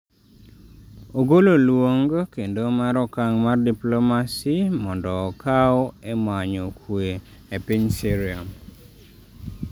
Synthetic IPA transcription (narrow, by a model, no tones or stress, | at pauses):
oɡololwoŋɡkendomaɾɔkaŋmardiplomasimɔndɔːkaɔemaɲɔkʰwe | epiɲsiɾiam